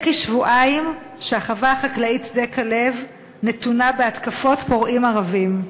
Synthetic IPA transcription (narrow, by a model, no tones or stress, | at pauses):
kiʃvuʔaim | ʃeaχavaːχaklaitdekʰale̞v | ne̞tunabeatkafo̞tpo̞ʁʔimaʁavim